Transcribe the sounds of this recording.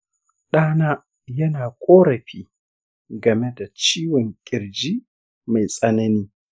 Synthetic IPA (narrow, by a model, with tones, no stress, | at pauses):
ɗaː˦naː˦ | jɐ˦naː˨kʷʼoː˦ɾɐ˨ɸiː˦ | ɡɐ˨me˦da˨t͡ʃiː˦wɔ˨ŋkʲʼɪ˨ɾd͡ʒiː˦ | ma˨jsʼɐ˦nɐ˦niː˦